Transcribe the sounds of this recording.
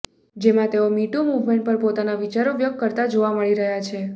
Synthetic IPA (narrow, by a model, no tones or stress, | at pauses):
d͡ʒemãt̪eomiʈumuʋmẽɳʈ̚pəɾpot̪anaʋit͡ʃaɾoʋjək̚kːəɾt̪ad͡ʒoʋaməɭiɾəɦjat͡ʃʰe